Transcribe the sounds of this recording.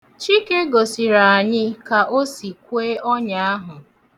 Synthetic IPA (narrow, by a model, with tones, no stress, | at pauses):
t͡ʃi˦ke˦ɡo˨si˨ɾa˨a˨ɲɪ˦ka˨ʔo˦si˨kʷeː˦ʔɔ˦ɲa˦a˦ɦʊ˨